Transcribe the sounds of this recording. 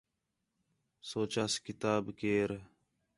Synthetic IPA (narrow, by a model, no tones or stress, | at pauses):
soːt͡ʃaskɪt̪aːbkeːɾ